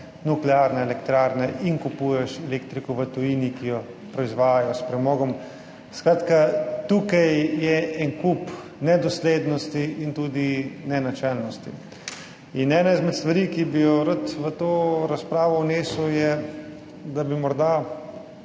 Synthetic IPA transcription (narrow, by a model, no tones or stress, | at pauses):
nuklɛaːɾnɛɛlɛkt̪ɾaɾnɛʔinkupuːjɛʃɛlekt̪ɾikɔʋət̪ujiːnikijɔ | pɾɔizʋaːjajɔspɾɛmoːɡɔm | skɾat̪kat̪ukajjɛɛnkup | nɛd̪ɔsleːd̪nɔst̪iːnt̪ud̪inɛnat͡ʃɛlnɔst̪ḭ | inɛːnaizmɛt̪st̪ʋaɾikibijɔɾət̪ʋət̪oːɾaspɾaːʋɔwneːsujɛ | d̪abimɔɾd̪a